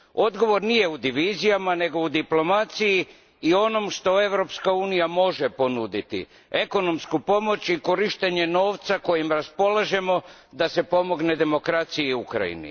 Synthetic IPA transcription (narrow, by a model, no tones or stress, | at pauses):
o̞d̪ɡo̞ʋo̞ɾnije̞ud̪iʋizijamane̞ɡo̞ud̪iplo̞mat̪siji | io̞no̞mʃt̪o̞e̞ʋɾo̞pskauːnijamo̞ʒepo̞nud̪it̪ḭ | e̞ko̞no̞mskupo̞mo̞t͡ɕiko̞ɾiʃt̪eɲe̞no̞ːʋt̪sako̞jimɾaspo̞laʒe̞mo̞ | d̪ase̞po̞mo̞ɡne̞d̪e̞mo̞kɾat̪sijiukɾa̰ḭnḭ